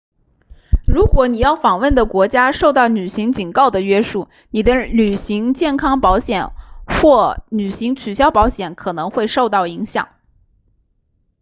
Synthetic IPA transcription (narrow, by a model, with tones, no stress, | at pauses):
ɻu˧˥kwɔ˧˥ni˨˩jɑ˥˩ʊfɑ˨˩ŋwə˥˩nd̪ə˩kwɔ˧˥t͡ɕja˥ʂo˥˧ʊt̪ɑ˥˩ʊny˨˩ɕi˧˥ŋt͡ɕi˨˩nkɑ˥˩ʊd̪ə˩ɥɛ˥ʂu˥˩ | ni˨˩d̪ə˦ly˨˩ɕi˧˥ŋt͡ɕjɛ˥˩nkʰɑ˥ŋpɑ˧˥ʊɕjɛ˨˩˦nxwɔ˥˩ny˨˩ɕi˧˥ŋt͡ɕʰy˨˩ɕjɑ˥ʊpɑ˧˥ʊɕjɛ˨˧˩nkʰɤ˨˩nɤ˧˥ŋxwe˥˧ɪʂo˥˧ʊt̪ɑ˥˩ʊi˧˥ŋɕjɑ̰˨˩˦ŋ